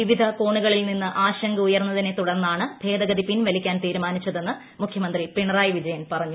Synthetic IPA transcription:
iʋid̪ʱɐko̞ːɳuɣɐɭilninːɨʔaːɕɐŋɡɐujɐrnːɐðine̞t̪uɽɐrnːaːɳɨbʱe̞ːd̪ɐɡɐðipinʋɐlikʲːaːnt̪iːɾumaːnit͡ɕːɐðe̞nːɨ | mukʰjɐmɐnd̪ripiɳɐraːjiʋid͡ʑɐjɐnpɐrɐɲːu

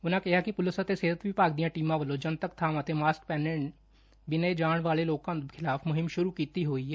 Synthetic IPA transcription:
ʊnãkɛɦakipʊlɪsət̪eseːɾət̪bʱipaːk̚d̪ijãʈiːmãʋəlõd͡ʒɐnt̪ək̚t̪ʰaːmat̪emaːsk̚pɛːnẽɳʈ | bɪnəed͡ʒaːɽ̃ʋaːleloːɡkãkʰɪlaːfmʊɦɪmʃʊɾukiːt̪iɦoːiɦɛː

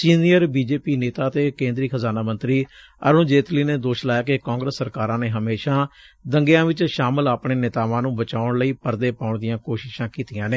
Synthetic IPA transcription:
siːnijəɾbiːd͡ʒeːpiːneːt̪aːt̪eːkẽːnd̪ɾiːkʰəzaːnaːmə̃nt̪ɾiː | ə̰ɾũːd͡ʒeːt̪liːneːd̪oːʃlaːjaːkekãːŋɡɾəsːəɾkaːɾãːneːɦəmeːʃaːd̪əŋɡɪjãːʋɪt͡ʃʃaːmɪlaːpɳeːnɪt̪aːʋãːnũːbət͡ʃaːʊɳləiːpəɾd̪eːpaːʊɳd̪ɪjãːkoːʃɪʃãːkiːt̪ɪjãːneː

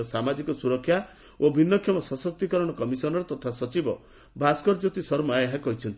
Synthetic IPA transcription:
samad͡ʒikɔsuɾɔkʰːja | obʱinːɔkʰjɔmɔsɔsɔk̚t̪ikɔɾɔɽ̃ɔkɔmisɔnɔɾet̪ɔt̪ʰasɔt͡ʃibɔ | bʱaskɔɾd͡ʒot̪isɔɾmaeeɦãkɔɦit͡ʃʰɔnt̪i

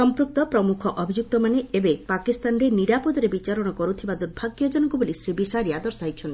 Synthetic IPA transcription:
sɔmpɾuk̚t̪ɔpɾɔmukʰɔʔɔbʱid͡ʒuk̚t̪ɔmaneebepakist̪anɾeniɽapod̪ɔɾebit͡ʃaɾɔɽ̃ɔkɔɾut̪ʰibad̪uɾbʱaɡjɔd͡ʒɔnɔŋkubolisɾibisaɾijad̪ɔɾsajt͡ʃʰɔnt̪

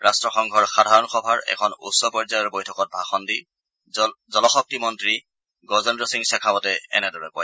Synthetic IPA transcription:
ɹastɹɔxɔŋɡʱɔɹxadʱaɹɔnxɔbʱaɹɛ̰kʰɔnṵsːɔpɔɹzajɔɹbojtʰɔkɔt̚bʱaxɔndi | zɔlɔxɔk̚timɔntɹi | ɡɔzɔndɹɔsiŋsɛkʰabɔtɛɛ̰nɛdɔɹɛkɔj

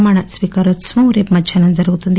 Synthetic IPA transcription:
maːɳɐsʋiːkaɾosmɐuɾepmɐd̪ʃʰɐnɐnzɐɾɐɣut̪und̪

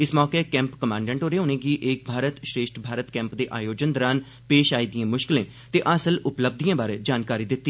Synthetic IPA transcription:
ɪsmɔːkekɛ̃ːmpkəmãːɳɖɛ̃ːɳʈɦoːɾeːʊnẽːɡiːʔeːk̚bʱaːɾət̪ʃɾeːʃʈbʱaːɾət̪kɛ̃ːmpd̪eːʔaːjoːd͡ʒənd̪əɾaːn | peːʃaːiːd̪ijãːmʊʃkɪlẽː | t̪eːʔəsəlʊpləb̚d̪ijãːbaːɾeːd͡ʒaːnkaːɾiːd̪ɪt̪ːiː

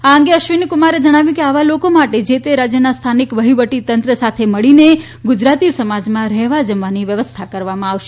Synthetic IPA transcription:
aəŋ̆ɡeəʃʋinkʊmaɾed͡ʒəɽ̃aʋjũkeaʋalokomaʈed͡ʒet̪eɾad͡ʒjənast̪ʰanikʋəɦiʋəʈit̪ənt̪ɾəsat̪ʰeməɭine | ɡud͡ʒɾat̪isəmad͡ʒmãɾɛɦʋad͡ʒəmʋaniʋjəʋəst̪ʰakəɾʋamãaʋʃe

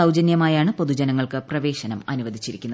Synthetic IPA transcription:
ɐwd͡ʑɐnjɐmaːjaːɳɨpo̞ðud͡ʑɐnɐŋːɐɭkɨprɐʋe̞ːɕɐnɐmɐ̰nuʋɐd̪ʱit͡ɕːiɾikʲːunːɐ

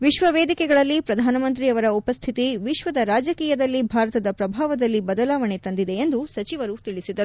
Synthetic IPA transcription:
ʋiʃʋɐʋeːd̪ikɛɡɐɭɐlːipɾɐd̪ʱaːnɐmɐnt̪ɾiɐʋɐɾɐupɐst̪ʰit̪iʋiʃʋɐd̪ɐɾaːd͡ʒɐkiːjɐd̪ɐlːibʱaːɾɐt̪ɐd̪ɐpɾɐbʱaːʋɐd̪ɐlːibɐd̪ɐlaːʋɐɳet̪ɐnd̪id̪e̞end̪usɐt͡ʃiʋɐɾut̪iɭisid̪ɐɾu

